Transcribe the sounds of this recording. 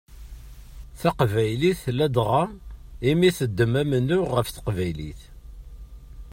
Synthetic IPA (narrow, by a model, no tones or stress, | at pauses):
θaqvæjliθlæd̪ʁɑimiθəd̪ːəmæmənːʊʁːəfθə̥qvæjlḭθ